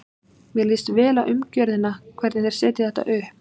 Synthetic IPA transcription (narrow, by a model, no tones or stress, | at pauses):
mjɛliːst̪vɛːlaʔʏmcœɾðɪnːakʰvɛɾt̪nnɛɾ̥sɛːt̪ɪθɛht̪a̰ʔœːh